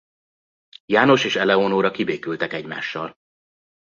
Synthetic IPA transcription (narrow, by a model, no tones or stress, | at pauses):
jaːno̞ʃeːʃɛlɛonoːɾɒkibeːkylt̪ɛkɛɟma̰ːʃːɒl